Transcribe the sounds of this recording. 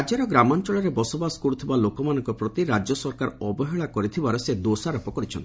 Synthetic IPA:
d͡ʒaɾɔɡɾamɔnt͡ʃɔɭɔɾebɔsɔbasɔ̥kɔɾut̪ʰibalokɔmanɔ̃ŋkɔpɾɔt̪iɾad͡ʒjɔsɔɾkaɾɔbɔɦeɭakɔɾit̪ʰibaɾɔsed̪osaɾɔpɔkɔɾit͡ʃʰɔnt̪i

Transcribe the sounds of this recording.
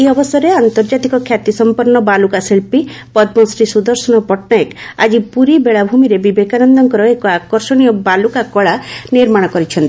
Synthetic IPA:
eɔbɔsɔɾeant̪ɔɾd͡ʒat̪ikɔkʰjat̪isɔmpɔɾnɔbalukaseɭpipɔd̪mɔsɾisud̪ɔɾsɔnɔpɔʈnaeka̰d͡ʒipuɾibeɭabʱumiɾebibekanɔnd̪ɔŋkɔɾɔekɔakɔɾsɔɽ̃ijɔbalukakɔɭaniɾmaɽ̃ɔkɔɾit͡ʃʰɔnt̪i

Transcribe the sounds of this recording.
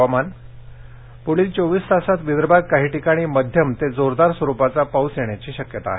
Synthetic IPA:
aman | puɭiːst͡soʋiːst̪asat̪ʋid̪ɾbʱaɡ̚kaɦiːʈikaɽ̃iːməd̪ʱjəmt̪ed͡zoɾd̪aɾsʋəɾupat͡sapawsjeɳjat͡ɕiːɕəkjət̪a̰ːɦe

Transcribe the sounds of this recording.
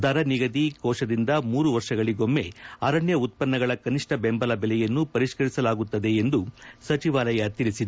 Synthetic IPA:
d̪aːɾɐniɡɐd̪ikɔːʂɐd̪ind̪ɐmuːɾuʋɐɾʂɐɡɐɭiɡo̞mːe̞ɐːɾɐɳjɐut̪̚pɐnːɐɡɐɭɐkɐniʂʈɐbembɐlɐbɛlɛjɐnːupɐɾiʂkɐɾisɐlaːɡut̪ːɐd̪e̞ːnd̪usɐt͡ʃiʋaːlɐjɐt̪iɭisid̪e

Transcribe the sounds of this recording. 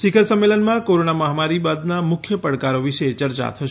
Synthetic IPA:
sikʰəɾsəmːelənmãkoɾonaməɦamaɾibad̪namʊkʰjəpəɽkaɾoʋiʃet͡ʃəɾt͡ʃa̰t̪ʰəʃ

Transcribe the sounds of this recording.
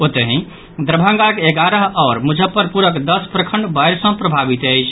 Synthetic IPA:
ot̪əɦĩ | d̪ɾəbʱãŋɡakeɡaɾəɦɔːɾmud͡ʒʱəpːəɾpuɾəkd̪əspɾəkʰəɳɖbajɾsə̃pɾəbʱabit̪əɪt͡ʃʰ

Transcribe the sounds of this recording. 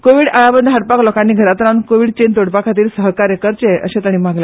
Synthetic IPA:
koʋiːɽaɭabənd̪ɦaɽpaklɔkãnːiːɡʱəɾat̪ɾaunkoʋiːɽt͡ɕent̪oɽpakʰat̪̬iːɾsəɦkaɾjəkəɾt͡ɕeə̰ɕẽt̪əɽ̃iːmaɡle

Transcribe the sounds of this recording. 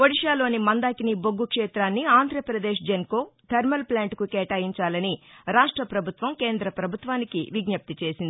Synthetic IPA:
ʋoɽiʂaːlo̞ːnimɐnd̪aːkiniboɡːukʂɛːt̪ɾaːnːiaːnd̪ʱɾɐpɾɐd̪eːʂ̬d͡ʒɐnko̞ːt̪ʰɐɾmɐlplaːɳʈkukɛːʈaːjiɲt͡ʃaːlɐniɾaːʂʈɾɐpɾɐbʱut̪ʋɐmke̞ːnd̪ɾɐpɾɐbʱut̪ʋaːnikiʋiɡɲɐp̚t̪it͡ʃe̞ːsind̪i

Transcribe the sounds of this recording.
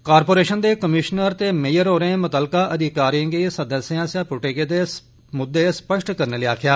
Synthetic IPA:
kaːɾpoːɾeːʃənd̪eːkəmɪʃnəɾt̪eːmeːjəɾɦoːɾẽːmʊt̪əːlkaːʔəd̪ɪkaːɾiə̃ɡeːsəd̪əsːjãːsjãːpʊʈeːkeːd̪eː | mʊd̪ːeːspəʃʈkəɾneːliːaːkʰjaː

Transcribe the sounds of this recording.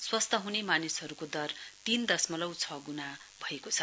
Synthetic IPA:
swʌst̪ʌɦunemanisʌɾukod̪ʌrt̪ind̪ʌsmʌlʌwt͡sʰʌɡuna | bʱʌekot͡sʰʌ

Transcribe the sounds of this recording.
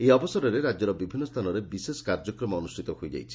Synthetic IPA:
eɔbɔsɔɾɔɾeɾad͡ʒɔɾɔbibʱinːɔst̪ʰanɔɾebisesɔ̥kaɾd͡ʒɔkɾɔmɔɔnusʈʰit̪ɔɦojd͡ʒa̰jt͡ʃʰi̥

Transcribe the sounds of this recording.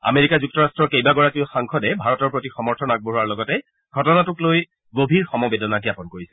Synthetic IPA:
a̰meɹikazuk̚tɔɹastɹɔkejbaɡɔɹakiʊxaŋkʰɔdɛbʱaɹɔtɔɹpɹotixɔmɔɹtʰɔnak̚boɦuaɹlɔɡɔtɛ | ɡʱɔtɔnatʊkloj | ɡobʱiɹxɔmɔbedɔnaɡijapɔnkoɹisɛ

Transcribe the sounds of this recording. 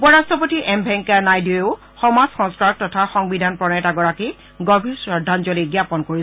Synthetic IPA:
upɔɹastɹɔp̬otiʔɛmbʱɛŋkanajdieʊ | xɔmazxɔ̃nskaɹɔk̚tɔtʰaxɔŋbidʱanpɹɔnɛtaɡɔɹaki | ɡɔbʱiɹsɹɔdʱːanzoliɡjapɔnkoɹis

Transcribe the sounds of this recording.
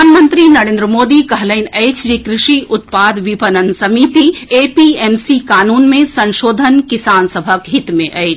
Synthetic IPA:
aːnmə̃nt̪ɾinɐɾẽːnd̪ɾəmoːd̪ikɐɦləɪnɐɪt͡ʃd͡ʒikɾɪʃiʔʊt̪̚paːd̪ʋipənənsɐmit̪ieːpieːmsikaːnuːnmẽsɐ̃nʃoːd̪ʱənkɪsaːnsəbʱəkɦit̪mḛ̃ʔɐɪt͡ʃ

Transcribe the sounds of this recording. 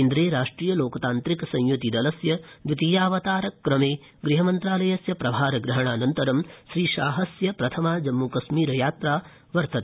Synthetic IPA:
ind̪ɾeːɾaːʂʈɾiːjɐloːkɐt̪aːnt̪ɾikɐsɐ̃jjut̪id̪ɐlɐsjɐd̪ʋit̪iːjaːʋɐt̪aːɾɐkːɾɐmeː | ɡɾiɦɐmɐnt̪ɾaːlɐjɐsjɐpɾɐbʱaːɾɐɡɾɐɦɐɳ̃aːnɐnt̪ɐɾɐmʃɾiːʃaːɦɐsjɐpɾɐt̪ʰɐmaːd͡ʒɐmːukɐʃmiːɾɐjaːt̪ɾaː | ʋɐɾt̪ɐt̪ː

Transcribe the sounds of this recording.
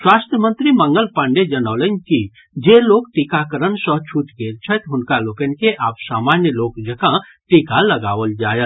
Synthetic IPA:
ʃwaːst̪ɾjəmə̃nt̪ɾiməŋɡəlpãɳɖed͡ʒənaːlənki | d͡ʒeloːkʈikakəɾənsə̃ɦt͡ʃʰuːʈɡeːɾt͡ʃʰət̪ɦʊnkaloːkənkeʔaːpsaːmanjəloːkd͡ʒəkã | ʈikalɐɡa̰ːʋəld͡ʒaːjət̪

